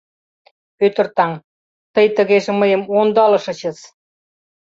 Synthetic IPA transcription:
øt̪ə̆rt̪ɑŋ | t̪əjt̪ə̆ɣeʒĕməjə̆mond̪ɑlɤ̆ʃɤ̆t͡ɕə̆t͡s

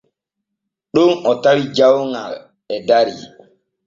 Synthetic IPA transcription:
ɗunɔtaɾid͡ʒawŋa̰l | ɛdaɾḭ

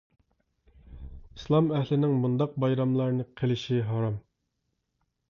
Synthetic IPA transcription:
islˠɑmæhlɪnɪŋmund̪ɑq̚bɑjɾɑmlˠɑɾnɨqʰelɪʃiɦɑɾɑm

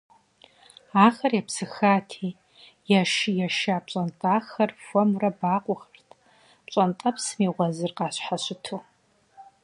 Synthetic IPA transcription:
aːxɐrjɛpsɨxaːtʰiː | jaʃɪjɛʃaːpt͡ʃʼɐntʼaːxɐrfʷɔmurɐbaːqʷʼʊxɐrtʰ | t͡ʃʼɐntʼɐpʰsmiːʁʷɔzɨrqɑːɕħaɕɪtʰuː

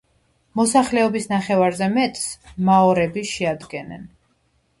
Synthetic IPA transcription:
mɔsaχlɛɔbisnaχɛvaɾzɛmɛt̪ʼsmaɔɾɛbiʃɛad̪ɡɛnɛ̰n

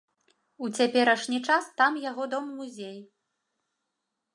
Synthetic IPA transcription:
ut͡sʲapʲɛɾɐʂnʲit͡ʂast̪amjaɣɔd̪ɔmːuzʲej

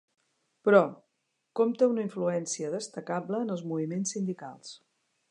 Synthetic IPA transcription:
pɾɔ | kɔmt̪əunəiɱfluɛnsiəðəst̪əkabləːnəlˠzmuβimensːind̪ika̰lˠs

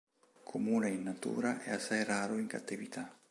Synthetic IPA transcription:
kʰomunainːat̪ṵɾaʔeasajraɾoiŋka̰t̪iβit̪ʰa

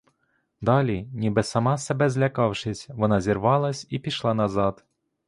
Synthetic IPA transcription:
d̪ɑlʲinʲibɪsɐmɑsebɛzʲlʲɐkɑwʃɪsʲʋɔnɑzʲirʋɑlˠɐsʲipʲiʃlˠɑnɐzɑd̪̥

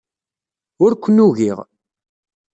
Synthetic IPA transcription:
ʊɾkʷːnːuɣiʁ

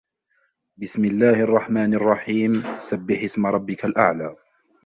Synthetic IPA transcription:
bɪsmɪlːaːhʔɑrˤːɑħmaːnɑrˤːɑħiːmsabːɪħɪsmaɾˤɑbːɪkalʔa̰ʕlaː

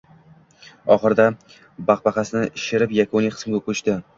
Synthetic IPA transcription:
ɒχɨɾd̪a | baqbɑqɑsɪnɪʔɪʃɪɾɪpjakʰonijqʰɨ̥smɡʲakʰɵt͡ʃt̪ɪ

